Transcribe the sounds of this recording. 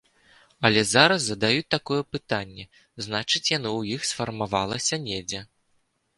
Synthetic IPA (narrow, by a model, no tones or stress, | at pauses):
ɐlʲɛzaɾɐsːɐd̪ajut͡sʲt̪akɔjɛpɨt̪anʲːɛ | znat͡ʂɨt͡sʲjanɨwjixsfɐrmavalˠɐsʲɐnʲed͡zʲɛ